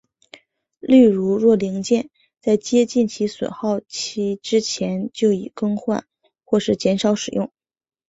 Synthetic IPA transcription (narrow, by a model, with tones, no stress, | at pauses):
li˥˩ɻu˧˥ɻwɔ˥˩li˧˥ŋt͡ɕjɛ˥˧n | t͡sa˥˩ɪt͡ɕjɛ˥t͡ɕi˥˩nt͡ɕʰi˧˥swḛ˨˩xɑ˥˧ʊt͡ɕʰi˥ʈ͡ʂɻ̩˥t͡ɕʰjɛ˧˥nt͡ɕjo˥˩ʊḭ˨˩kɤ˥ŋxwa̰˥˧˦n | xwɔ˥˧ʂɻ̩˥˩t͡ɕjɛ˧˥nʂɑ˨˧˥ʊʂɻ̩˨˩jʊ˥˩ŋ